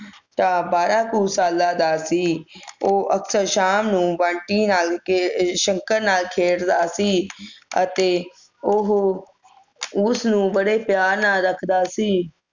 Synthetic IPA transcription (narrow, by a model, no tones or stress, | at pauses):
t̪ãːbaːɾaːkuːsaːlːaːd̪aːsiːoːʔəksəɾʃaːmnũːbãːɳʈiːnaːlʃə̃ŋkəɾnaːlkʰeːɽd̪aːsiːət̪eː | ʊɦ | ʊsnũːbəɽeːpjaːɾnaːɾəkʰd̪aːsiː